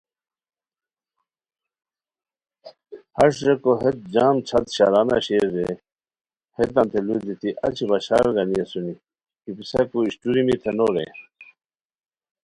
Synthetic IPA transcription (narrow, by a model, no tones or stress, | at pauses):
hɐʂɾekoɦet̪̚d͡ʑaːmt͡ɕʰɐt̪ɕalana̰ɕeɾe | het̪ɐnt̪ʰeluːd̪it̪ʰiʔɐ̰t͡ɕʰibɐɕaːɾɡɐnijesuni | kipisakuiɕʈuɾimit̪ʰenoɾḛ